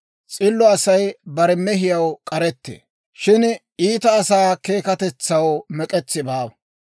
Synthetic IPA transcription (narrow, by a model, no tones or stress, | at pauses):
t͡sʼɪlːɔɐsɐjbɐɾɛmɛɦɪjɐwkʼɐɾɛt̪ːḛː | ʃɪn | iːt̪ɐːsaːke̞ːkɐt̪ɛt͡sːɐwmɛkʼɛt͡sːɪbaːbɐ